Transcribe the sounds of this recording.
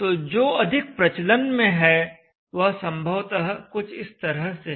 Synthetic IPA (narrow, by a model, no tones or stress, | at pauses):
t̪oːd͡ʒoːɐd̪ʱɪk̚pɾɐt͡ʃlənmẽɦɛ | ʋɐɦsɐ̃mbʱəʋt̪əɦkʊt͡ʃʰɪst̪ɐɾəɦse